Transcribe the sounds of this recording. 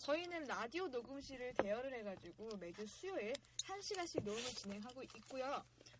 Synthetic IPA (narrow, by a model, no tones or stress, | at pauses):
t͡ɕʌinɯnɾadionoɡɯmɕʰiɾɯɭte̞ʌɾɯɾɦe̞ɡad͡ʑiɡome̞d͡ʑusʰujoe | sʰaŋɕʰiɡaɕ͈ʰinomut͡ɕinɦe̞ŋɦaɡoʔit̚k͈ujo